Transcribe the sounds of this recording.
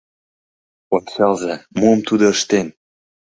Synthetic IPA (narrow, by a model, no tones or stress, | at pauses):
onʲɕɑlzɑmuə̆mt̪ud̪ŏə̆ʃt̪en